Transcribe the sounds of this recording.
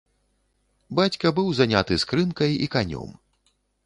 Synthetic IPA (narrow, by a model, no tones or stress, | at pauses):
bat͡sʲkɐbɨwzanʲat̪ɨskɾɨnkɐjḭkanʲɔ̰m